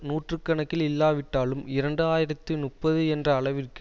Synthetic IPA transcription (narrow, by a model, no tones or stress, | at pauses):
nuːʈrɯkːɐɳɐkːɪlɪlːaːʋɪʈːaːlɯmɪɾɐɳɖɯaːjɪɾɐt̪ːɯnʊppːɐðɯɛndrɐːɭɐʋɪrkɯ